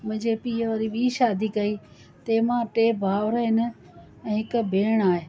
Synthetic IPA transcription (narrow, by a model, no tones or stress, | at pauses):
mʊ̃ɦɪ̃ɲd͡ʑepiːəʋaːɾiɓiːʃaːd̪ʱikɐi | t̪eːmãːʈeːbʱaːʋɾəɦɪnə̆ | ɛ̃ːɦɪkbʱeːɽ̃aːɦeː